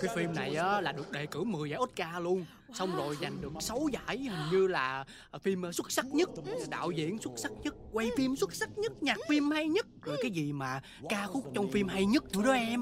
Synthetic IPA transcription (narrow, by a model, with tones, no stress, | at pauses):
kaː˨˦jfi˧mna˨˩jʔaː˨˦laː˨˩ɗɨ˨˩ək̚ɗe˨˩kɨ˧˩mɨ˨˩əjzaː˧˦ʔo˦˥t̚kaː˧lu˧ən | sɔ˧wŋ͡mzo˨˩jza˨˩jŋ̟ɗɨ˨˩ək̚sə˨˦wza̰ː˧˥jhə̈˨˩ŋ̟ɲɨ˧laː˨˩ | fi˧m˧swə˦˥t̚sa˦˥k̚ɲə˦˥t̚ɗa̰ː˧˨wzḭ˧˨ənswə˦˥t̚sa˦˥k̚ɲə˦˥t̚kwa˧jfi˧mswə˦˥t̚sa˦˥k̚ɲə˦˥t̚ɲaː˨˩k̚fi˧mha˧jɲə˦˥t̚zo˨˩jkaː˨˦jzi˨˩maː˨˩ | kaː˧xʊ˦˥k͡p̚t͡ɕɔ˧wŋ͡mfi˧mɦa˧jɲə˦˥t̚ɗɨ̰˧˦ɗɔ˨˦ʔɛ˧m